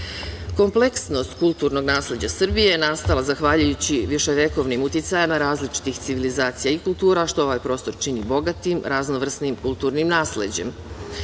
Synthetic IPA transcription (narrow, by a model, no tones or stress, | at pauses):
ko̞mple̞ksno̞st̪̚kulˠt̪uːɾno̞ɡnaːsle̞d͡ʑasr̩bijenast̪alˠazaxʋaʎujut͡ɕiʋiʃe̞ʋeko̞ʋnimut̪it̪sajamaɾaːzlit͡ʃi̥t̪ixt̪siʋilizaːt̪sijaikulˠt̪uːɾaʃt̪o̞o̞ʋajpɾoːst̪o̞ɾt͡ʃinibo̞ɡat̪imɾʔaznoʋr̩snimkulˠt̪uɾnimnaːsle̞̰d͡ʑe̞̰m